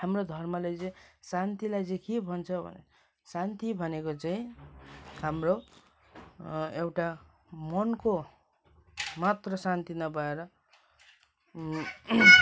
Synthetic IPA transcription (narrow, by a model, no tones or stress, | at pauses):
hamrod̪ʱʌrmʌlajt͡sʌj̃sant̪ilajt͡sʌj̃kebʱʌnt͡sʰʌbʱʌ̰nḛ | sant̪ibʱʌnekot͡saĩ | hamro | ewʈa | mʌnko | mat̪rʌsant̪inʌbʌeɾʌ